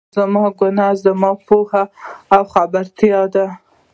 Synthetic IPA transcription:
zamɑɡʊnɑzamɑpohaːwxabaɾt̪jɑd̪a

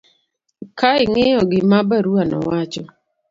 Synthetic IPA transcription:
kaɪŋejɔɡɪmabaɾuanɔ̰wat͡ʃɔ

